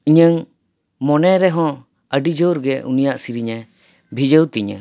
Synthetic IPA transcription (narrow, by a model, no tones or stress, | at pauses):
iɲəŋ | mɔnɛɾɛɦɔ̃ | əɖid͡ʒɔɾɡɛʔṵnijaʔsiɾiɲɛ | bʱid͡ʒəwt̪iɲə̰